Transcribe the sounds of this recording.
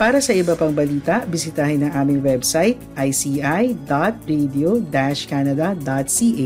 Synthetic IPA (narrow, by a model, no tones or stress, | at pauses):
paːɾɐsɐʔɪbɐpɐŋbɐliːt̪ɐʔbɪsɪt̪aːhɪnɐŋʔaːmɪŋwɛbsajt̪ʔɐjsiːʔajd̪at̪̚ɹɛd̪iod̪aʃkaːnɐd̪ɐd̪at̪̚siːʔ